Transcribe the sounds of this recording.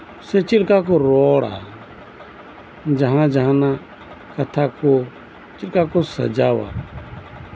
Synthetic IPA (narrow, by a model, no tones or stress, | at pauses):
set͡ʃɪlkakoɾɔːɽa̰ | d͡ʒəɦãd͡ʒəɦãna | kət̪ʰaːko | t͡ʃɪlkakosə̰d͡ʒaːʋa̰ː